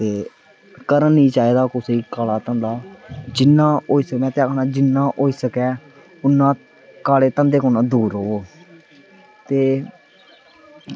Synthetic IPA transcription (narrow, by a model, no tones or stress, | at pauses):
t̪eː | kəɾənĩːt͡ʃaːiːd̪aːkʊseiːkaːlaːt̪ənd̪aːd͡ʒɪnːãːoːiːsəkmɛ̃ːt̪ɪjaːkʰnaːd͡ʒɪnːãːʔoːiːsəkɛː | ʊnːãː | kaːleːt̪ə̃nd̪eːkːnãːd̪uːɾɦoː | t̪eː